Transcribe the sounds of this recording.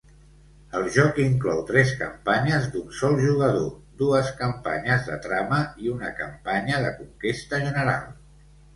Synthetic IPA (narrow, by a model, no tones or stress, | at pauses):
əlˠʒɔkiŋklɔwt̪ɾɛskə̰mpaɲəzd̪unsɔlˠʒuɣəð̞od̪uəskəmpa̰ɲəzðə̰t̪ɾaməiunəkəmpaɲəðəkuŋkest̪əʒənəɾalˠ